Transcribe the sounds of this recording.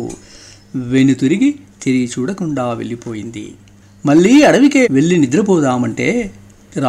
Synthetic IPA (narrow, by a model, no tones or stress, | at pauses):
ʋenːut̪uɾiɡit̪iɾit͡ʃuːɽɐkuɳɖaːʋḛɭːipoːjind̪ḭ | mɐɭːiɐɽɐʋikeʋeɭːinid̪ɾɐbɔːd̪aːmɐɳʈeː | ɾa